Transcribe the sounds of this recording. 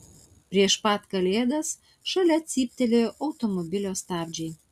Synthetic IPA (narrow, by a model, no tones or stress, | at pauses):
pʲɾʲiɛʃpɑt̪kɐlʲeːd̪ɐs | ʃɐlʲɛt̪sʲiːpʲt̪ʲɛlʲeoʔɐʊt̪ɔmɔbʲɪlʲoːst̪ɑːbʲd͡ʒʲɛɪ